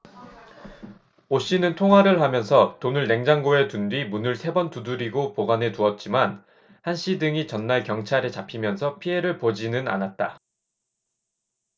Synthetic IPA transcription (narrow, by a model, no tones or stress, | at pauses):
oɕ͈inɯntʰoŋɦwaɾɯɭhamjʌnsʰʌtonɯɭne̞ŋd͡ʑaŋɡoe̞tundɥimunɯɭsʰe̞bʌntuduɾiɡopoɡane̞tuʌt̚t͡ɕ͈iman | hanɕ͈ʰidɯŋit͡ɕʌnːaɭkjʌŋt͡ɕʰaɾe̞t͡ɕapʰimjʌnsʰʌpʰiɦe̞ɾɯɭpod͡ʑinɯna̰nat̚t͈a